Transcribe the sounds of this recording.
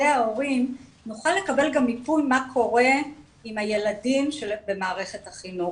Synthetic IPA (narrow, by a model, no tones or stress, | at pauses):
eao̞ʁim | nuχale̞kabe̞lɡamːipujmakʰo̞ʁe̞ | imaje̞ladimʃelbe̞maːʁe̞χe̞thaχimu